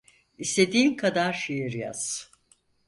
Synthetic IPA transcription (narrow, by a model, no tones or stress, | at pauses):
ist̪ʰe̞d̪iːmkʰad̪aɾʃejiɾja̰z̥